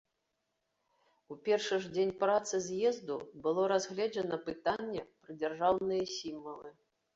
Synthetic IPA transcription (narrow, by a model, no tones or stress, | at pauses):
upʲɛrʂɨʐd͡zʲenʲpɾat̪sɨzʲjɛzd̪ubɨlˠɔɾazɣlʲɛd͡ʒɐnɐpɨt̪anʲːɛpɾɨd͡zʲɛrʐawnɨjɛsʲimvɐlˠɨ